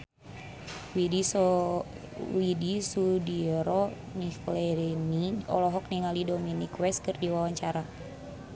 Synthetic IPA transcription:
widis | widisudiɾɔ | niklɛɾɛniɔ̰lɔɦɔk̚niŋalidɔminikwɛskɨrdiwawaɲt͡ʃaɾa

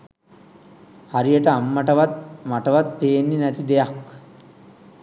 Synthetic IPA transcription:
haɾijəʈəamːaʈəʋat̪̚maʈəʋat̪̚peːnːinɛt̪id̪ejak

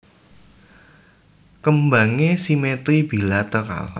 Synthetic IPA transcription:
kəmbaŋesimet̪ɾib̥ilat̪əka̰l

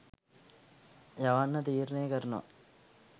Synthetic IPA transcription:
jɐʋanːɐt̪iːɾneːkɐɾno̰

